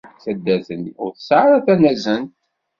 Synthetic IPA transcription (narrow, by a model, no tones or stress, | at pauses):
θæd̪ːæθənʊɾθə̥sʕɾˤæθænæzənt̪